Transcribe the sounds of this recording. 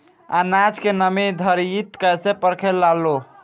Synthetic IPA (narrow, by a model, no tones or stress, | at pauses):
a̰nat͡ʃkenəmid̪ʱəɾit̪kəsepəɾkʰelːalːo